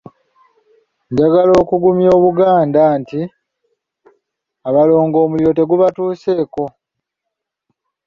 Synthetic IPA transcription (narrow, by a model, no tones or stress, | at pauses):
ɲɟaɡalo̞ːkuɡumjo̞ːβuɡaːndanti | aβalo̞ːŋɡo̞ːmuliɾo̞te̞ɡuβatuːse̞ːko̞